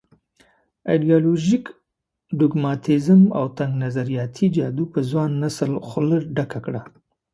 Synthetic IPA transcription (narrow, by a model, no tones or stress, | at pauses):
ajɖijɑloʒik | ɖʊɡmɑt̪ʰizəma̰wt̪aŋɡnazaɾijɑt̪ʰid͡ʒɑd̪upəzwɑnːasəlxʊləɾɖakakɽa